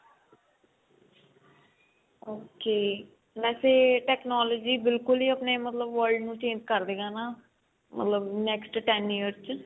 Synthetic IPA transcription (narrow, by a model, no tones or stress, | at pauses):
oːkeː | mɛːseːʈɛːknaːloːd͡ʒiːbɪlkʊliːəpneːmət̪ləbʋəɾɖnũːt͡ʃẽːnd͡ʒkəɾd̪eːɡãːnaː | mə̰t̪ləbnɛːksʈʈɛniːəɾt͡ʃ